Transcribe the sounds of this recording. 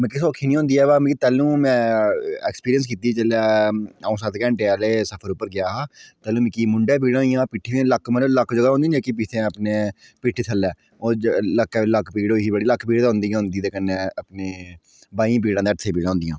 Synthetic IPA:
mɛ̃ːk̬ɪsoːkʰːiːnĩːõːnd̪iːɛːbaːm̃ːkit̪ɛːlũːmɛ̃ːɛːkspiːɾiəns̬kiːt̪iːt͡ʃəlaːaũːsaːt̪kɛ̃ːɳʈealeːsəpʰəɾʊpːəɾɡɪjaːɦaːt̪ɛːlũːmɛ̃ːkiːmʊɳɖɛːp̬iːɽãːiːãːpiːʈʰːiːẽləkːmənləkːd͡ʒəɡaːɦõnd̪iːnd͡ʒekip̬it̪ʰẽəpneː | piʈʰːiːt̪ʰəlːɛː | oːləkːɛləkːpiːɽoːɦiːbəɽiːləkːpiːɽːɦʊ̃nd̪iːãːɦʊ̃nd̪iːt̪eːkənːeːəpneː | baːĩp̬iːɽãːd̪eːəʈsʰẽːp̬iːɽãːɦʊnd̪ijãː

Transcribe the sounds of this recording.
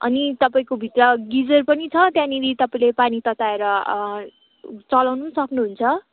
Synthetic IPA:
ʌ̰nit̪ʌpaĩkobʱit̪rʌɡid͡zʌrpʌnit͡sʰʌt̪jãniɾit̪ʌpaĩlepanit̪ʌt̪aeɾʌ | t͡sʌlawnusʌknuɦunt͡sʰʌ

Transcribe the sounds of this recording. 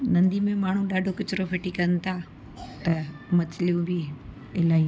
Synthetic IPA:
nɐ̃nd̪imẽmaːɳ̤ũɗaːɖʱokɪt͡ʃɾopʰeʈikɐnt̪ʰa | t̪ɐmɐtlijũbʱi | ɪlaːi

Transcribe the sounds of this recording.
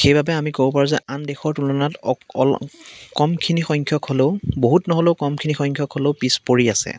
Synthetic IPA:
xejbabɛamikobɔpaɹuzɛandɛxɔɹtulɔnatɔɔkɔmkʰinixɔjŋkʰjɔkɦoleʊboɦutnɔɦoleʊkɔmkʰinixɔjŋkʰjɔkɦoleʊpispoɹiasɛ̰

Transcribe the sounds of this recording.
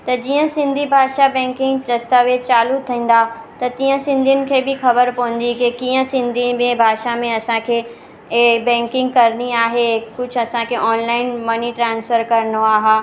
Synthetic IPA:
t̪ɐd͡ʑiːə̃sɪ̃nd̪ʱibʱaːʃabɛ̃ːŋkɪ̃ŋɡt͡ɕɐst̪aʋeːt͡ɕaːlut̪ʰːĩːn̆d̪at̪ɐt̪ĩːə̃sɪ̃nd̪ʱijʊnɪ̆kʰeːbɪxɐbəɾpɐʋə̃n̆d̪ikikiːə̃sɪ̃nd̪ʱimẽbʱaːʃamẽɐsãkʰeː | bɛ̃ːŋkɪ̃ŋɡkɐɾniaːɦekʊd͡ʑʱʰʊɐsãkʰeʔɔːnlaːɪnmɐniʈɾãːnsfəɾkɐɾənoaːɦaː

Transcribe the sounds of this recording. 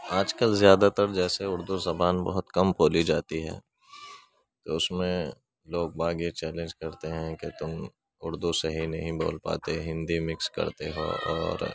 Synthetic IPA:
aːd͡ʒkəlzjaːd̪at̪əɾd͡ʒɛːseʊɾd̪uzɐbaːnbɔ̰ɦʊt̪kɐmpoːlid͡ʒaːt̪iɦɛ̰ː | t̪oʊsmẽ | loːɡ̚baːɡjet͡ʃɛːlẽnd͡ʒkɐɾt̪eɦɛ̃ket̪ʊm | ʊɾd̪useɦinɐɦĩbo̰ːlpa̰ːt̪eɦɪ̃nd̪imɪkskɐ̰ɾt̪eɦo̰ːɔ̰ːɾ

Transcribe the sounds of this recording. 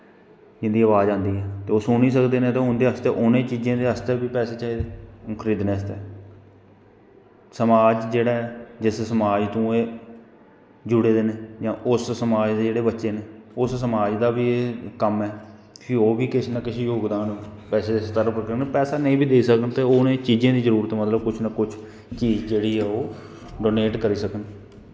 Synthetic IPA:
d͡ʒɪnd̪iːəʋaːd͡ʒãːnd̪iːɦɛːt̪eːoːsʊniːsəkd̪eːnẽːt̪ãːɦʊnd̪eːɦəst̪eːʔʊnẽːt͡ʃiːd͡ʒẽːd̪eːɦəst̪eːbiːpɛːseːt͡ʃaːeːd̪eːkʰəɾiːd̪nẽːəst̪eː | səmaːd͡ʒd͡ʒeːɽaːɛːd͡ʒɪssəmaːd͡ʒt̪ũːeː | d͡ʒʊɽeːd̪eːneːd͡ʒãːʔʊssəmaːd͡ʒd̪eːd͡ʒeːɽeːbətːʃeːneːʊssəmaːd͡ʒd̪aːbiːeːkəmɛːpʰioːbiːkɪsnakɪsĩːjoːɡd̪aːnpɛːseːd̪eːsət̪əɾpəɾkəɾneːpɛːsaːnəĩːbʱiːd̪eisəkənt̪eːoːnẽːt͡ʃiːd͡ʒẽãːd̪iːzəɾuːɾət̪ːmət̪ləb̚kʊt͡ʃʰnəkʊt͡ʃʰ | t͡ʃiːd͡ʒd͡ʒeːɽiːɦɛːoː | ɖoːneːʈkəɾiːsəkən

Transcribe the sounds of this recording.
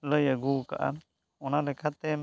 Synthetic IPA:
ləjəɡuka̰ʔa̰ | ɔnalɛkʰat̪ɛ

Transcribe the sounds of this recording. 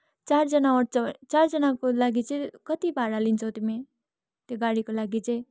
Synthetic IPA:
t͡sard͡zʌnaʌʈt͡sʌt͡sard͡zʌnakolaɡit͡sʌĩkʌt̪ibʱaɽalint͡sʰʌt̪ime | t̪joɡaɽikolaɡit͡sʌĩ

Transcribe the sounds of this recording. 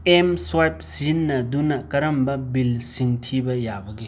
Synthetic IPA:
emswajp̚sinːɐdunɐkɐɾɐmbɐbilsiŋtʰibɐjabɐɡe

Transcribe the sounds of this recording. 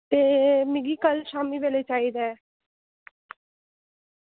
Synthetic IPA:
t̪eːmɪɡiːkəlʃaːmiːʋeːleːt͡ʃaːiːd̪aɛː

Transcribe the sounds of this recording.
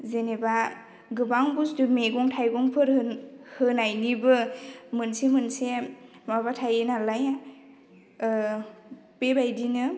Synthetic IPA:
zeneba | ɡɯbaŋbusdɯmeɡɔŋtʰajɡɔŋpʰɯɾhɯnajnibɯmɯnsemɯnse | maβatʰajenalaja | pebajdinɯ

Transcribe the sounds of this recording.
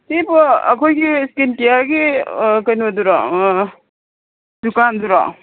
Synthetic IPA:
tipɔɐ̰kʰojɡiskintijaɡikajnaduɾɔ | dukanduɾɔ̰

